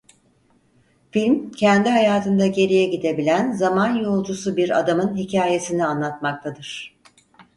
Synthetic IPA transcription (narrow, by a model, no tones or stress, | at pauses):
filʲmcʰɛnd̪iɦajaːt̪ʰɯnd̪aɟe̞ɾijɛɟid̪e̞bilʲænzamanjo̞lˠd͡ʒusubiɾa̰d̪amɯnɦicʰaːje̞sinianlˠat̪mak̚t̪ʰad̪ɯɾ̥